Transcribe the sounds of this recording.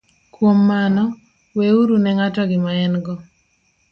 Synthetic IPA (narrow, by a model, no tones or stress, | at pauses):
kwomːanɔ | weuɾunɛŋatɔɡɪmaɛnɡɔ